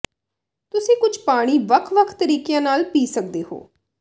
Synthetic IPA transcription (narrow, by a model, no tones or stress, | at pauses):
t̪ʊsẽːkʊd͡ʒpaːɽ̃iːʋəkʰʋəkʰt̪əɾiːkejãːnaːlpiːsək̚d̪eːɦo̰ː